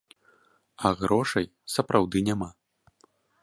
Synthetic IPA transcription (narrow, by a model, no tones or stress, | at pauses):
ɐɣɾɔʂɐjsɐpɾʔawd̪ɨnʲama